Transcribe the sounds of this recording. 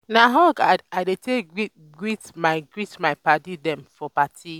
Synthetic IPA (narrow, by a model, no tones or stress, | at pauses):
naɦɔkaadetʰei | ɡɹitmajɡɹitmajpatidɛ̃mfɔpatʰi